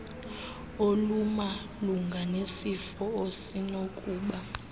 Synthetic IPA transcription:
oluma | luŋɡʱanesifɔosinokʼuːɓa

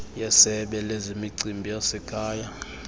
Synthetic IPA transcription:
jasɛɓɛlezimiǀimbʱijasɛkʼaːja

